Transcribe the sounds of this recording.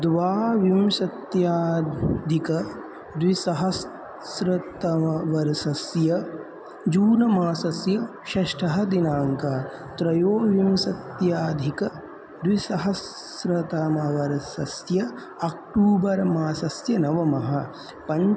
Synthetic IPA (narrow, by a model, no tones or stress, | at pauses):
d̪ʋaːʋimʃɐt̪jaːd̪ʱikɐ | d̪ʋisɐɦɐs | ɾɐt̪ɐʋɐɾsɐsjɐ | d͡ʒuːnɐmaːsɐsjɐ | ʃɐʃʈʰɐɦɐd̪inaːŋka | t̪ɾɐjoːʋimsɐt̪jaːd̪ʱikɐ | d̪ʋisɐɦɐs | ɾɐt̪amɐʋɐɾsɐsjɐ | ɐk̚ʈuːbɐɾɐmaːsɐsjɐnɐʋɐmɐɦɐ | pɐɲ